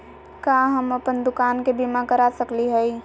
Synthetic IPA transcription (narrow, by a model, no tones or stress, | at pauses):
kaɦəməpənd̪ʊkaːnkebimakəɾasəkliɦəi